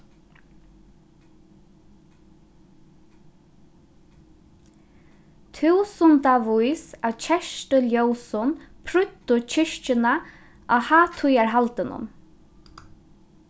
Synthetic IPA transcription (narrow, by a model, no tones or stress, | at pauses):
t̪ʰuːsʊnt̪avʊjsaðt͡ʃʰɛʃʈəljowsʊnpʰɾʏt̪ːʊt͡ʃʰɪʂt͡ʃɪna | ʔahaːt̪ʰʊjaɹɦalt̪ɪnʊ̰n